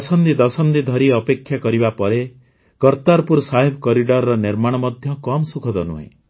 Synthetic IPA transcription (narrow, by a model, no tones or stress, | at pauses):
sɔnd̪id̪ɔsɔnd̪id̪ʱɔɾiɔpekʰːjakɔɾibapɔɾe | kɔɾt̪aɾpuɾsaɦebʱɔkɔɾiɖɔɾɔɾɔniɾmaɽ̃ɔmɔd̪ʱjɔkɔmsukʰɔd̪ɔnṵɦḛ̃